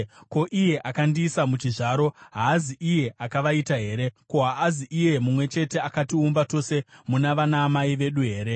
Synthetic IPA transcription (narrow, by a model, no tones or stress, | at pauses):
ko̞ʔije̞ʔakandiːsamut͡ʃiʐaːɾo̞ɦaːziʔije̞ʔakaʋaitaɦe̞ːɾe̞ko̞ɦaːziʔije̞mumwe̞t͡ʃe̞teakatiumbato̞se̞munaʋanaːmaiʋe̞ɗuɦe̞ːɾe̞